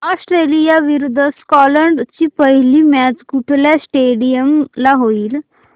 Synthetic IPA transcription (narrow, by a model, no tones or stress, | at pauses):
ɔsʈɾelijaʋiɾud̪ʱːəskɔləɳɖt͡ɕiːpəɦilimæt͡sɡuʈʰljasʈeɽijəmlaɦoiːl